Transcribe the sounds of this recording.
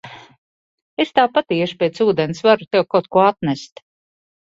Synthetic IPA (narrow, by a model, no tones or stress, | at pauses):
est̪aːpat̪iɛʃpɛːt̪suːd̪enɪsvaɾut̪ɛwkawt̪̚kuɔat̪̚næst̪